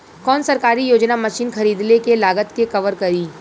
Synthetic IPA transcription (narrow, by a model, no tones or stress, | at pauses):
kɔːnsɐɾkaːɾijoːd͡ʒnamɐʃiːnxɐɾiːd̪nekelaːɡət̪kekɐʋəɾkɐɾiː